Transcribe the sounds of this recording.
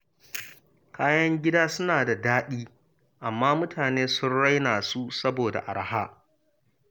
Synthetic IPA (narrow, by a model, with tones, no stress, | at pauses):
kʰaː˦jɐ˦ŋɡʲɪ˦daː˦sʊ˦naː˨da˨daː˦ɗiː˦ | ʔa˨mːaː˦mʊ˦tʰaː˨neː˦sʊ˦nɽa˦jnaː˨su˦sɐ˦boː˨da̰˨ʔa˨ɽɐ˨˦ha̰ː˦